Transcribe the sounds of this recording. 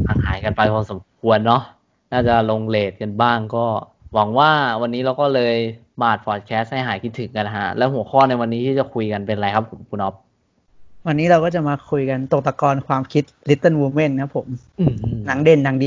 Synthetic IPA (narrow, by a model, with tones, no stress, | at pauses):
a˨˩ŋ̚ɦa̰ː˩˦jka˧npa˧jkʰoː˧nso˩˦mkʰu˧ənːɔ˦˥ | naː˥˩t͡ɕa˨˩lo˧ŋleː˨˩t̪̚ka˧nbaː˥˩ŋkɔː˥˩ | wa˩˦ŋwaː˥˩wa˧nːiː˦˥ɾa˧wkɔː˥˩lɤː˧j | maː˨˩t̪̚pʰɔː˨˩t̪̚kʰɛː˦˥st̪̚ha˥˩jɦaː˩˦jkʰi˦˥t̪ʰːɯ˨˩˦ŋka˧nɦa̰˦˥lɛː˦˥ɦu˨˩˦xʰɔː˥˩na˧jwa˧nːiː˦˥t̪ʰiː˥˩t͡ɕa˨˩kʰu˧jka˧npe˧nɾa˧jkʰa˦˥pʰːo˩˦mkʰuː˧nɔ˦˥p̚ | wa˧nːiː˦˥ɾa˧wkɔː˥˩t͡ɕa˨˩maː˧kʰu˧jka˧nt̪o˨˩k̚t̪a˧kɔː˧nkʰwaː˧mkʰi˦˥t̪̚li˦˥t̪ːa˥˩wuː˧me˥˩nkʰa˦˥pʰːo˩˦m | ɯː˧˩˧na˩˦ŋde˧˩nːa˩˦ŋdi˧